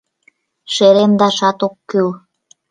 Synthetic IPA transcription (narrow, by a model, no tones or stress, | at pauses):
ʃeɾemd̪ɑʃɑt̪okːyl